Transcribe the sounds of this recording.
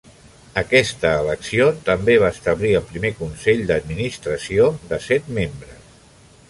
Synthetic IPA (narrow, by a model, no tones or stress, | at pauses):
əkɛst̪əːləksiot̪əmbeβaəst̪əβliəlˠpɾimekunsɛʎd̪əd̪minist̪ɾəsioðəsɛt̪membɾəs